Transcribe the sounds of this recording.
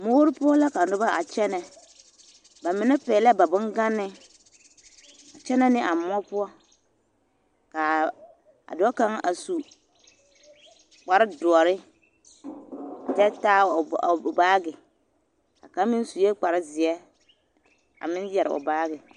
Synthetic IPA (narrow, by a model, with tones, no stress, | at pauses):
moː˦ɾɪ˦pʊ˦ɔ˦la˦ka˨nʊ˦ba˦ʔa˨t͡ʃɛ˦nɛ˨ | ba˨mɪ˨nɛ˦pɛː˨lɛ˦ba˨bʊ˦ŋɡa˦nɪ˦ | a˨t͡ʃɛ˦nɛ˦nɪ˦ʔa˨m˦ɔ˦pʊ˦ɔ˦ | ka˨ | a̰˨dɔ˦ɔ˦ka˦ŋa̰˨su˨ | k͡pa˨ɾɪ˦dʊ˨ɔ˨ɾɪ˦˨ | d͡ʒɛ˦taː˦˨baː˦ɡɪ˨ | a̰˨ka˦mɪ˦n˦su˨je˦k͡pa˨ɾɪ˦zɪ˨ɛ˦ | a̰˨mɪ˦njɛ˨ɾɪ̰˨ʊ̰˨baː˦ɡɪ˨